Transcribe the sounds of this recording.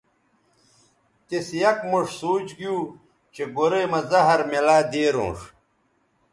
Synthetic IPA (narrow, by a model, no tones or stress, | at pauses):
t̪esjɐkmuʂsoːt͡ɕɡijuː | t͡ɕeɡoɾejmɐzɐɦɐɾmelaːd̪eːɾõ̰ːʂ